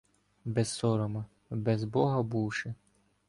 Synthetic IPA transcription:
bɛsːɔɾɔmɐ | bɛzbɔɦɐbuwʃɪ

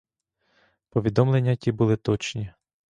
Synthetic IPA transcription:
pɔʋʲid̪ɔmle̞nʲːɐtʲibulˠɪt̪ɔt͡ʃnʲi

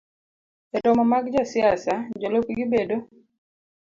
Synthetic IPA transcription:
ɛtɔmamaɡd͡ʒasɪasad͡ʒolokɡɪbedo

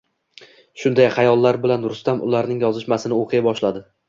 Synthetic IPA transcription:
ʃʊnd̪ajχɑjɒlˠːaɾbɪlanɾʊst̪amʔʊ̰laɾnɪŋjɒzɪʃmasɪnɪoqʰɨjabɒʃlad̪ɪ

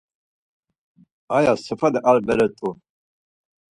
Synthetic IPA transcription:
ajasəfad̪ɛʔaɾbɛɾɛt̪ʼu

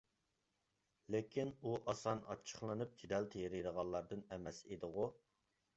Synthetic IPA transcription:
lekʲʰinuʔɑsɑnɑ̰t͡ʃʰːə̥χlˠɨnɨp̚d͡ʒid̪ɛlt̪ʰejɾiɾəʁɑlˠːɑɾd̪ɨnɛmɛsed̪əʁu

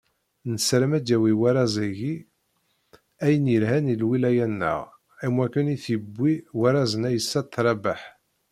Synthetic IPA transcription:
nəsɾæmæd̪ːæwiwæɾˤɑzˤæʝi | æjənjəlhænilwilæjænːə̰ʁ | æmwækːəniθibːiwæɾˤɑzənæjəsːæt̪ˤːɾˤɑbaħ

